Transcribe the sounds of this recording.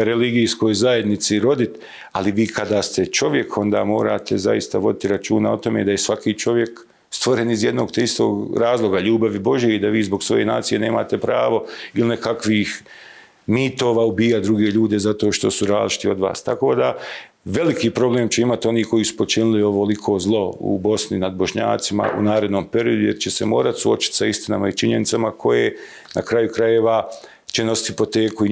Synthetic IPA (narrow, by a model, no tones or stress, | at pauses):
ɾeliɡiːsko̞jzaje̞d̪nit̪siɾo̞d̪it̪ | aliʋiːkʰad̪aːst̪e̞t͡ʃo̞ʋje̞kʰo̞nd̪aːmo̞ːɾaːt̪eza̰jist̪aʋo̞d̪it̪iɾat͡ʃuːnao̞t̪o̞meːd̪ajesʋakiːt͡ʃo̞ʋje̞k | st̪ʋo̞ɾe̞nizje̞d̪no̞ːɡt̪eist̪o̰ːɡɾaːzlˠo̞ɡaʎuːbaʋibo̞ʒije̞id̪aʋiːzbo̞ɡsʋo̞je̞na̰ːt̪sije̞ːne̞ːmaːt̪e̞pɾaːʋo̞ilinekakʋiːx | miːt̪o̞ːʋaːubiːjad̪ɾuɡeʎuːd̪e̞zat̪o̞ːʃt̪o̞suɾaːzlit͡ʃi̥t̪io̞d̪ʋa̰ːst̪ako̞ːd̪a | ʋe̞likiːpɾo̞bleːmt͡ɕeimat̪io̞niːko̞jiːsu̥po̞t͡ʃinɪlioʋolikʰo̞ːzlˠo̞ṵbo̞sninad̪bo̞ʃɲa̰ːt̪sima̰ʔṵnaːɾe̞d̪noːmpe̞ɾio̞d̪ujeɾt͡ɕese̞mo̞ːɾat̪suo̞t͡ʃi̥t̪saist̪ina̰mait͡ʃiɲe̞nit̪samakʰo̞je | nakɾajukɾaje̞ʋa | t͡ɕeno̞sit̪hi̥po̞t̪e̞ːkui